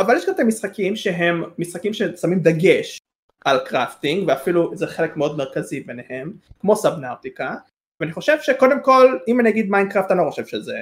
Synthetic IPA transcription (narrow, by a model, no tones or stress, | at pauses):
avaljeʃkatamisχakimʃeɦemːisχakimʃesamimd̪aɡeʃ | ʔalkʁaftiŋɡveafiluzeχe̞lekmeo̞d̪meʁkazibenehemkmo̞sabnawt̪ika | veaniχo̞ʃevʃeko̞d̪e̞mko̞limanijaɡid̪majndkʁaft̪anlo̞χo̞ʃev̥ʃeze